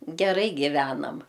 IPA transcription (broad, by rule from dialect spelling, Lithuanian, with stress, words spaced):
ɡʲɛˈrɐɪ ɡʲɪˈʋʲæːnɐm